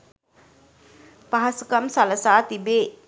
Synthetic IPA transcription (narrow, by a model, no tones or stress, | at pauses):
paɦasukɐmsɐləsaːt̪ibeː